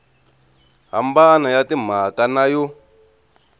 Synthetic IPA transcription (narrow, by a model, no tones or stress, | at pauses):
ɦa̰mbanajatim̤akanajɔ